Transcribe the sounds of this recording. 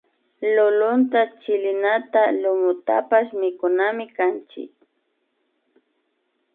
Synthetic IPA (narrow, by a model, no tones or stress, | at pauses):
lʊlʊnt̪at͡ʃɪlɪnat̪alʊmʊt̪a̰paʃmɪkʊnamɪkant͡ʃɪ̰k